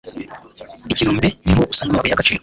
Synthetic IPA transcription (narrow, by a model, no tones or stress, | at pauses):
iciɾuːmbenḭɦoʔusanamaβujakat͡ʃiɾ